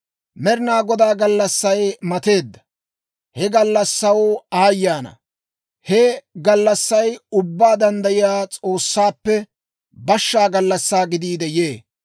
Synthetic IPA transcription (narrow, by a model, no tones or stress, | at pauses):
mɛɾɪnaːɡɔd̪aːɡɐlːɐsːɐjmɐt̪e̞ːd̪ːɐ̥ | hɛɡɐlːɐsːɐwoaːjːaːnɐ̰ | hɛɡɐlːɐsːɐjʊbːaːd̪ɐnd̪ɐjɪjaːt͡sʼo̞ːsːaːpːɛ | bɐʃːaːɡɐlːɐsːaːɡɪd̪iːd̪ɛjeː